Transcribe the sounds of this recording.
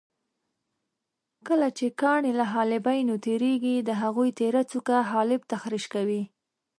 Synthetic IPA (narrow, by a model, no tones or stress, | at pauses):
kəlat͡ʃekɑɳelaɦɑlɪbajnot̪eɾeɡid̪əɦaɣujt̪eɾat͡sukaɦɑlɪbt̪axɾiʃkawi